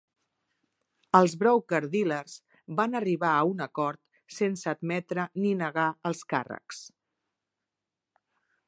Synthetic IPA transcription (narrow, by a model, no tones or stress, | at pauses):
əlˠzβɾɔwkəɾðilərz | banəriβaəunəkɔɾt̪ | sensəːd̪mɛt̪ɾəninəɣaəlˠska̰rə̰ks